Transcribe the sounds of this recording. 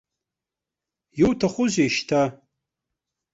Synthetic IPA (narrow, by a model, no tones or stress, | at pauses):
jowtʰaχʷʊzeʃtʰa